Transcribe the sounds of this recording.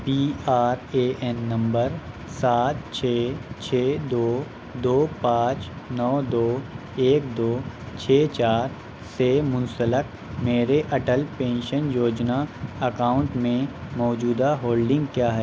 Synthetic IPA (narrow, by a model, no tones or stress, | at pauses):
piːaːɾeːʔɛnːɐ̃mbəɾ | saːt̪̚t͡ʃʰeːt͡ʃʰeːd̪oː | d̪oːpãːt͡ʃ | nɔːd̪oː | eːkd̪oː | t͡ʃʰeːt͡ʃaːɾ | semʊ̃nsələk | meːɾeʔɐʈəlpẽːnʃənjoːd͡ʒnaɐkaːʊ̃ɳʈmẽmɔːd͡ʒuːd̪aɦoːlɖɪ̃ŋɡkjaːɦɛː